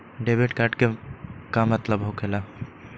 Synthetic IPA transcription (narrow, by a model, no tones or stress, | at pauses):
ɖebeʈkaɾʈkekamət̪ləbɦokʰela